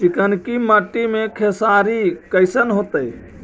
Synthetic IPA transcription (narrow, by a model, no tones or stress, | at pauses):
t͡ʃikənkiməʈːimekʰesaɾikəɪsənɦot̪əj